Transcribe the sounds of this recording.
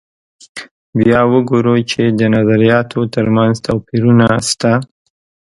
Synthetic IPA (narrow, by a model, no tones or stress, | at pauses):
bjɑwəɡoɾot͡ʃed̪ənazaɾijɑt̪ʰot̪əɾmanzt̪ʰawpiɾunast̪a